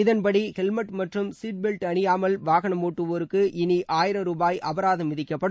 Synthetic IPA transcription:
ɪðɐnpɐɽihɛlmɐʈmɐʈrɯmsiːʈ̚bɛlʈɐɳɪjaːmɐlʋaːɣɐɳɐmoːʈːɯʋoːɾɯkːɯʔɪniʔaːjɪɾɐmɾuːbaːjʔɐbɐɾaːðɐmːɪðɪkːɐpːɐɽɯ

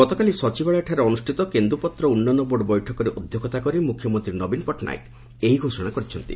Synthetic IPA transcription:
ɡɔt̪ɔkalisɔt͡ʃibaɭaʈʰaɾeɔnusʈʰit̪ɔkend̪ɾupɔt̪ɾɔunːanɔboɖɔbɔjʈʰɔkɔɾeʔod̪ʱjoɡɔt̪akɔɾimukʰːjɔmɔnt̪ɾinɔbinpɔʈna̰jk | eɦiɡʱosɔɽ̃akɔɾit͡ʃʰɔnt̪ḭ

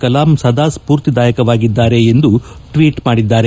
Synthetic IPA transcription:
kɐlaːmsɐd̪aːspuːɾt̪id̪aːjɐkɐʋaːɡid̪ːaːɾe̞ːnd̪u | ʈʋiːʈmaːɽid̪ːaːɾe

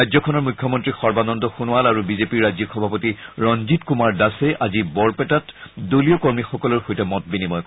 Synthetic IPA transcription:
ajzɔkʰɔnɔɹmukʰːjɔmɔntɹixɔɹbanɔndɔxunʊalaɹubizepiɹːajzɔxɔbʱapotiɹɔnzitkumaɹdasɛʔazibɔɹpɛtatdoliokɔɹmixɔkɔlɔɹxojtɛmɔtbinimɔjk

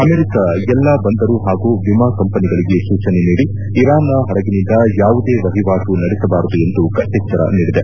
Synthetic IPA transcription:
ɐmeɾikɐɛlːɐbɐnd̪ɐɾuɦaːɡuːʋimakɐmpɐniɡɐɭiɡe̞suːt͡ʃɐneniːɽiː | ɾaːnɐɦɐɽɐɡinind̪ɐjaːʋud̪e̞ːʋɐɦiʋaːʂunɐɽisɐbaːɾud̪ue̞nd̪ukɐt̪jɐkt͡ʃɐɾɐ̰niːɽid̪e

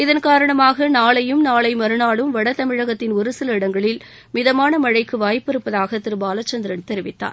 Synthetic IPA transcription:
ɪðɐnkaːɾɐɳɐmaːɣɐnaːɭɐjɯmnaːɭɐɪmɐɾɯnaːɭɯmʋɐɽɐt̪ɐmɪɻɐɣɐt̪ːɪnʊɾɯsɐlɐɪɽɐŋɡɐɭɪl | mɪðɐmaːnɐmɐɻɐɪkːɯʋaːjpːɪɾɯpːɐðaːɣɐt̪ːɪɾɯbaːlɐt͡ʃːɐnd̪ɪɾɐnt̪ɛɾɪʋɪt̪ːa̰ːɾ

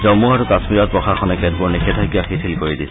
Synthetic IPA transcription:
zɔmuaɹukasmiɹɔt̚pɹɔxʰaxʰɔnɛkɛt̚buɹnikɛtʰajkibaxitʰilkoɹidis

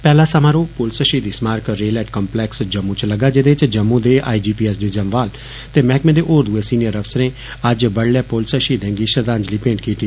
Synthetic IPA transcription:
pɛːlaːsəmãːɾoːpoːlsəʃiːd̪iːsmaːɾkɾeːlɛːʈkɔːmplɛːksd͡ʒəmːũːt͡ʃləɡaːd͡ʒeːd̪et͡ʃd͡ʒəmːũːd̪eːʔa̰ːiːd͡ʒiːpiːɛs̬d̪eːd͡ʒəmʋaːl | t̪eːmɛ̃ːkmẽːd̪eːʔoːɾd̪ueːsiːnijəɾəʋsəɾẽː | əd͡ʒbəɽlɛːpoːlsəʃiːd̪ɛ̃ːŋɡiːʃəɾd̪ãːɲd͡ʒliːpẽːɳʈkiːt̪iː

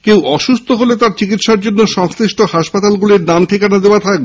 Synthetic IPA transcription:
kewʔɔʃust̪ʰoɦolet̪aɾt͡ɕikit̪ʃaɾd͡ʑonːoʃɔŋsɾiʃʈohaʃpat̪alɡuliɾnamʈʰikanad̪eoat̪ʰak̚be

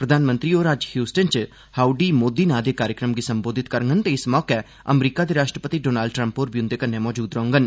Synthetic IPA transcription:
pɾəd̪ʱaːnmə̃nt̪ɾiːoːɾaːd͡ʒhjuːsʈənt͡ʃ | haːuɖiːmoːd̪iːnãːd̪eːkaːɾjəkɾəmɡiːsəmboːd̪ʱɪt̪kəɾŋɡənt̪eːɪsmɔːkɛ | ə̰mɾiːkaːd̪eːɾaːʃʈɾəpət̪iːɖoːnaːlɖʈɾə̃mpːoɾbiʊ̃nd̪eːkənːemɔːd͡ʒuːd̪ɾəɦʊ̃ŋɡən

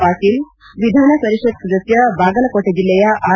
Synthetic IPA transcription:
paʈiːl | ʋid̪ʱanasəɾiʂət̪̚d͡zət̪jəbaɡəlkoʈʰed͡ʑiljejaʔa

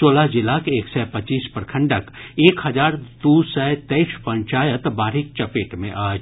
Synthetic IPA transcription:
soːlad͡ʒɪlaːkeːksɛpɐt͡ʃːiːspəɾkʰə̃ɳɖəkeːkhɐd͡ʒaːɾd̪usɛt̪ɛɪʃpɐ̃ɲt͡ʃaːjət̪baːɾɦɪk̚t͡ʃɐpeːʈmḛ̃ʔaːd͡ʒ

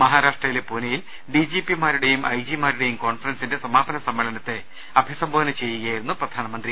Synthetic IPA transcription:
mɐɦaːɾaːʂʈrɐjilepuːnejil | ɖid͡ʑipimaːɾuɽe̞jumʔɐjd͡ʑimaːɾuɽe̞jumko̞ːnfɐrɐnsinde̞sɐmaːbɐnɐsɐmːɐɭɐnɐt̪ːe̞ | ɐbʱisɐmbʱoːʋɐnɐt͡ɕe̞jːuɣɐajiɾunːuprɐd̪ʱaːnɐmɐnd̪ri

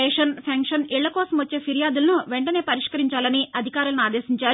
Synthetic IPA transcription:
eːʂɐnpʰɐŋkʂɐniɭːɐkɔːsɐmʋɐt͡ʃːe̞ːpʰiɾijaːd̪ulɐnuʋeɳʈɐne̞ːpɐɾiʂkɐɾiɲt͡ʃaːlɐniʔɐd̪ʱikaːɾulɐnuaːd̪eːsiɲt͡ʃaː

